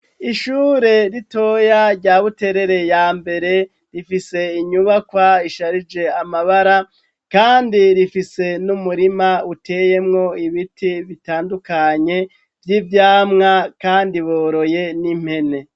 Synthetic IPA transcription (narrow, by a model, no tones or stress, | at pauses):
iʃuːɾe̞ɾito̞jaɾɟaːβute̞ɾe̞ɾe̞jaːmbe̞ɾe̞ | ɾifise̞iɲuβakwaiʃaɾid͡ʒe̞amaβaɾa | kaːndiɾifise̞numuɾimautʰe̞je̞mŋo̞iβitʰiβitaːndukaɲe̞ | vjiːvjaːmŋakaːndiβoːɾo̞je̞nim̥he̞ne̞